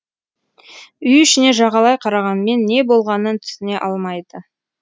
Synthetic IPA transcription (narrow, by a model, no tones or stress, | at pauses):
ʏjʏʃɪne̞ʒɑʁɑlˠɑjqʰɑɾɑʁɑnəme̞nːe̞bo̞lˠʁɑnənt̪ʰʏ̥sɪne̞ʔɑlˠmɑjd̪ə